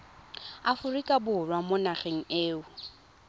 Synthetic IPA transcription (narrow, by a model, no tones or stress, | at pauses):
afʊrikʼabʊrwamʊnaχeŋ̩eːʊ